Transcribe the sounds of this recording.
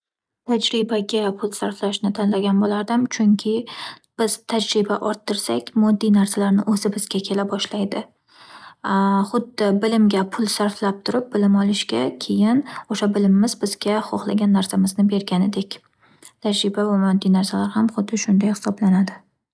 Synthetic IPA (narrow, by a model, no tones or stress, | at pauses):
t̪ʰad͡ʒɾɪbaɡʲapʰʊlˠsaɾflaʃnɪt̪ʰanlaɡʲanbolaɾd̪ɪmt͡ʃʰʊŋkʲʰɪb̥ɪz̥t̪ʰad͡ʒɾɪbaʔɒɾt̪ʰːɪɾsakʲmɒd̪ːijnaɾsalaɾnɪʔɵzɪbɪz̥ɡʲakʲʰe̞labɒʃlajd̪ɪ | χʊd̪ːɪbɪlɪmɡʲapʰʊlˠsaɾflap̚t̪ʰʊɾɪp̚bɪlɪmɒlˠɪʃkʲakʲʰe̞jɪnoʃabɪlɪmːɪzbɪzɡʲaχoχlˠaɡʲanːaɾsamɪznɪbe̞ɾɡʲanɪd̪e̞kʲ | t̪ʰad͡ʒɾɪbavamɒd̪ːijnaɾsalaɾhamχʊd̪ːɪʃʊnd̪ajhɪ̥sɒblanad̪ɪ